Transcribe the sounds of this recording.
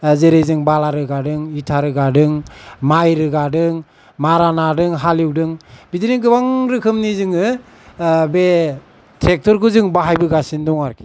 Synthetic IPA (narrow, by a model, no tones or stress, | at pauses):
zeɾejzɯŋbalaɾɯɡadɯŋitʰaɾɯɡadɯŋmajɾɯɡadɯŋ | maɾanadɯŋɦaliwdɯŋbidiniɡɯbaŋɾɯkʰɯmnizɯŋɯ | be | tʰɾek̚tɔɾkɯzɯŋbaɦajbɯɡasindɔŋaɾkʰi̥